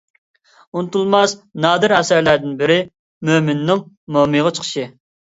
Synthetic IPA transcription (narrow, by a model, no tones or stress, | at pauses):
unɨt̪ulˠmɑsnɑːd̪ɨɾɛsæɾlæɾd̪ɪnbɪɾɪ | mømɪnːɪŋ | momɨʁɑt͡ʃʰə̥qʰə̥ʃɨ